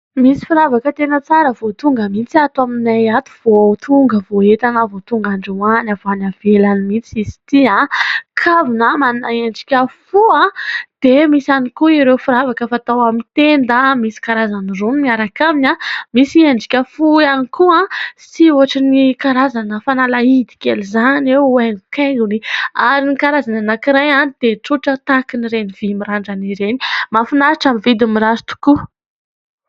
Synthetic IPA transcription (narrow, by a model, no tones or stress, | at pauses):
misi̥fuɾavakət̪enət͡saɾəvot̪uŋɡəmint͡siat̪waminajat̪u̥v̥ot̪ʰuŋɡəvoet̪anəvot̪uŋɡaɳɖ͡ʐuanavanavelanimint͡sisi̥t̪iãkʰavinəmanunaeɳɖ͡ʐi̥kʲəfuãd̪̥emisanikuiɾewfuɾavakəfat̪awamint̪end̪amisi̥kaɾazanironimiaɾakaminʲamisieɳɖ͡ʐi̥kʲəfuanikuãsiuaʈ͡ʂinikaɾazanəfanalaid̪i̥kelizaneweŋɡukaŋɡuniaɾinikaɾazananakiɾajanid̪̥eʈ͡ʂuʈ͡ʂət̪akiniɾeniv̥imiɾaɳɖ͡ʐaniɾeni̥mafinaɾaʈ͡ʂamivid̪umiɾazi̥t̪u̥ku